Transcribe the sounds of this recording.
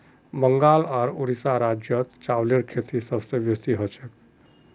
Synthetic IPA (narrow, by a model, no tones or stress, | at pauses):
bəŋɡalaɾoɾisaɾad͡ʒjət̪t͡ʃawleɾkʰet̪isəbsẽbjesiɦot͡ʃʰek